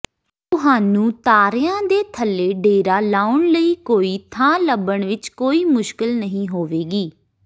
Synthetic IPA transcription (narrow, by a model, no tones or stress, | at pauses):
t̪ʊɦaːnũːt̪aːɾɪjãːd̪eːt̪ʰəlːeːɖeːɾaːlaːʊɳləiːkoːiːt̪ʰãːləbəɳʋɪt͡ʃkoːiːmʊʃkɪlnəɦĩːɦoːʋeːɡiː